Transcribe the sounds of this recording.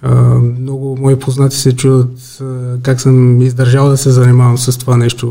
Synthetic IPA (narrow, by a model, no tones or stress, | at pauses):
əmnɔɡʊmɔipʰoznat̪ʲisɛt͡ʃuvət̪ | kaksəmizd̪ɐɾʒalˠd̪ɐsɛzɐnimavəmsɐst̪ovanɛʃt̪o